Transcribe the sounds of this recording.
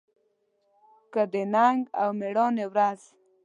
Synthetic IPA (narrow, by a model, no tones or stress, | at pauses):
kəd̪enaŋɡawmeɽɔnewɾaz̥